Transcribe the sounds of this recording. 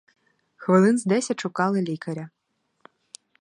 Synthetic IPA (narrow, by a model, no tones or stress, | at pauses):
xʋɨlˠɨnzd̪ɛsʲɐt͡ʂukɑlˠɨlʲikɐɾʲɐ